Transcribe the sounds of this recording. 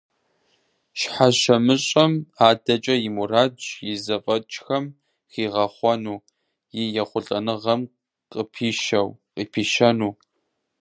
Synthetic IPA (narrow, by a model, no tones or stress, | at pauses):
ʃħaɕɐmɨɕʼɐmaːdɐt͡ʃʼɐjɪmuraːt͡ʃjɪzɐfʼɐt͡ʃʼxɐm | xiːʁɐχʷɔnuː | jiːjɛχʷʊɬʼɐnɨʁɐm | qʼəpʰiːʃɐwqʼiːpʰiːʃɐnuː